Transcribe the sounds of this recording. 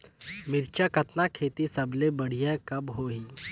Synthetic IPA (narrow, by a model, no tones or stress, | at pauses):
mɪɾt͡ʃakɐt̪nakʰeːt̪isɐblebɐɽ̤ijakɐbɦoɦiː